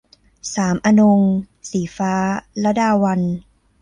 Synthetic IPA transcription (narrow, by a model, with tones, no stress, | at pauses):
saː˩˦mʔa˧no˧ŋ | siː˩˦faː˦˥la˦˥daː˧wa˧n